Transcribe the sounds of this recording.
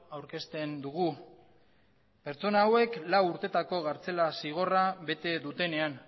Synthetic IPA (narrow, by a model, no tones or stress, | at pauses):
awɾke̞st̪e̞nd̪uɣ̞u | pe̞ɾt͡so̞naːwe̞klawuɾt̪e̞t̪ako̞ɣaɾt͡se̞lasiɣ̞o̞raβe̞t̪e̞ðut̪e̞ne̞an